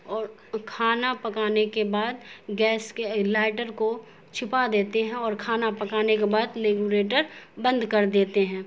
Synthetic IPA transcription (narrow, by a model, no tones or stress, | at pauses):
ɔːɾ | kʰaːnapɐkaːnekebaːd̪ɡɛːskelaːɪʈəɾko | t͡ʃʰɪpad̪eːt̪eɦɛ̃ɔːɾkʰaːnapɐkaːnekebaːd̪leɡuɾeːʈəɾbə̃nd̪kɐɾd̪eːt̪eɦɛ̃ː